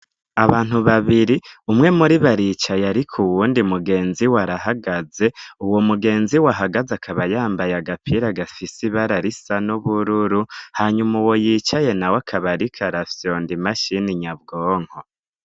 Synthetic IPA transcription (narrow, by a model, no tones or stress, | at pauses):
aβaːn̥huβaβiɾiumŋe̞muɾiβaɾit͡ʃajaɾikʰuwuːndimuɡe̞ːnziwaɾaɦaɡaze̞uwomuɡe̞ːnziwaɦaɡazakʰaβajaːmbajaɡapʰiɾaɡafisiβaɾaɾisanuβuɾuɾuhaɲumuwo̞jit͡ʃaje̞nawakʰaβaɾikʰaɾafjondimaʃiniɲabɡoːŋ̥ho